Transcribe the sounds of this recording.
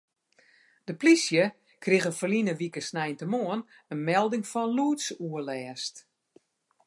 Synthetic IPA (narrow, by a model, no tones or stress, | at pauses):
d̥əplisjə | kriɣəfəlinəʋikəsnɛjntəmoən | ənmɛlˠdɪŋfɔnluːtsuəlɛːst